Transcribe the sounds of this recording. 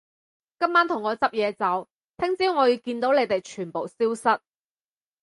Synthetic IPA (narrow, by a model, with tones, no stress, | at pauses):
kɐ˥mːaː˥nt̪ʰʊ˨˩ŋːɔː˨˧t͡sɐ˥p̚jɛː˨˧t͡sɐ˨˥w | t̪ʰɪ˥ŋt͡siː˥wŋɔː˨˧jiː˧wkiː˧nt̪o˨˥wle˨˧jt̪e˨˩jt͡ʃʰyː˨˩npo˨wsiː˥wsɐ˥t̚